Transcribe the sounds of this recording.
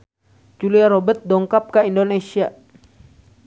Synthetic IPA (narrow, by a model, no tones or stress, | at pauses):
t͡ʃuliaɾɔbɛt̪̚dɔŋkap̚kaindonesia